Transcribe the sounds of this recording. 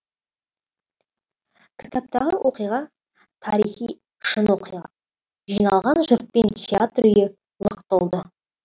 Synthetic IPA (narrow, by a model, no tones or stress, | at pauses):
kʲʰɪ̥t̪ʰap̚t̪ɑʁəwʔo̞qijʁɑ | t̪ʰɑɾijχij | ʃənwo̞qijʁɑ̰ | ʒijnɑlˠʁɑnʒʊɾt̪̚pe̞ntʰʲeat̪rʏjɪ | lˠəqt̪olˠd̪ə